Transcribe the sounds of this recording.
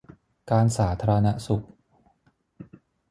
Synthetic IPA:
kaː˧nsaː˩˦t̪ʰaː˧ɾa˧na˦˥su˨˩k̚

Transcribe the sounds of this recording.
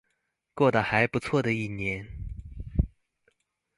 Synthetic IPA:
kwɔ˥˩d̪ə˨˩xa˧˥ɪpu˧˥t͡sʰwɔ˥˩d̪ə˩i˥˩njɛ˧˥n

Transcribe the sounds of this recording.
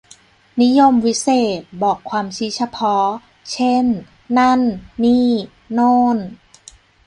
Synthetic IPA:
ni˦˥jo˧mwi˦˥seː˨˩t̪̚bɔː˨˩kʰːwaː˧mt͡ɕʰiː˦˥t͡ɕʰa˧pʰɔ˦˥ | t͡ɕʰe˥˩nː | a˥˩nːiː˥˩ | noː˥˩n

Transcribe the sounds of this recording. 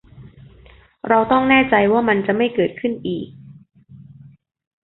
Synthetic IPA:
ɾa˧wt̪ɔ˥˩ŋnɛː˥˩t͡ɕa˧jwaː˥˩ma˧nt͡ɕa˨˩ma˥˩jkɤː˨˩t̪̚kʰɯ˥˩nʔiː˨˩k̚

